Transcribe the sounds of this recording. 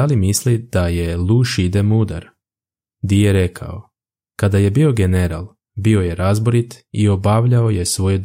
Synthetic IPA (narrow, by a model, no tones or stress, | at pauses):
alimislid̪̥ajelˠuːʃid̪emud̪a̰ɾ | d̪ijeɾe̞kʰa̰o | kad̪aje̞bio̞ɡe̞ne̞ɾa̰lˠ | bio̞je̞ɾazboɾit̪io̞baʋʎaoje̞sʋo̞jed̪